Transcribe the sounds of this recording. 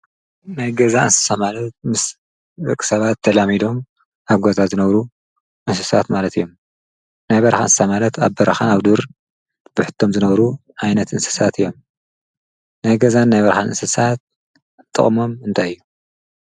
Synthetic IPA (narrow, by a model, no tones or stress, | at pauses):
najɡɐzaɨnsɨ̥samalɐt̪̚mɨs | bɨ̰kʼːi̥sɐβat̪ʰːɐlamid̪o̞m | aβɡozʰazɨnɐβɾu | ʔɨnsɨsat̪malɐt̪ɨjːo̞m | najbɐɾɐxa̰ɨnsɨsamalɐt̪aβbɐɾɐxanaβd̪uɾ | b̥ɨħɨ̥t̪ʰːo̞mzɨnɐβɐɾuʕajnɐt̪ɨnsɨ̥sat̪ʰɨjo̞m | najɡɐzanːajbɐɾɐxanɨ̰nsɐsat̪̚ | t̪ʼːɨ̰χʼmo̞mɨnt̪ʰajɨjːu